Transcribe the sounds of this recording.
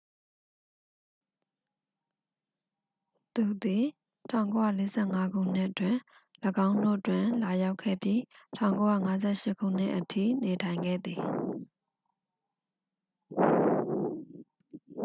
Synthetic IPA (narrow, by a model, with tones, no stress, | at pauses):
t̪u˨d̪i˨ | tʰã˦˨ʊ̃ŋko˦ja̰˦˨le˦zɛ̰˦˨ŋa˦ɡṵ˦˨n̥ɪ˦ʔətwɪ̃˨ | ləɡã˦ʊ̃ndo̰˦˨twɪ̃˨la˨ja˦ʊkʰːɛ̰˦˨pji˦tʰã˨ʊ̃ŋko˦ja̰˦˨ŋa˦zɛ˦˨ʃɪ˦ʔkʰṵ˦˨n̥ɪ̰˦˨ʔətʰḭ˦˨ne˨tʰã˨ɪ̃ŋɡɛ̰˦˨d̪i˨